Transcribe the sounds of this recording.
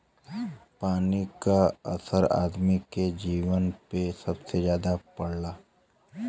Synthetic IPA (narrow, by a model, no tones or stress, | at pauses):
paːnikaɐ̰səɾa̰ːd̪miked͡ʒiːʋənpesɐbsezjaːd̪apɐɽlaː